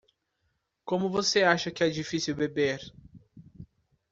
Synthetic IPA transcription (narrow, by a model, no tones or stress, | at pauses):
kõmʊvoseaʃɐkɪɛd͡ʒifisiwbebeɾ